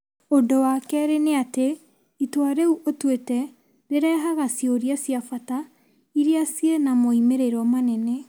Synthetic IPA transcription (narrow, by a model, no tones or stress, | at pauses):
odowakɛɾeneate | itwaɾeuʔotwetɛ | ɾeɾɛːɦaɣasjoɾiasjafata | iɾiasjenamoimeɾeɾɔmanɛnɛ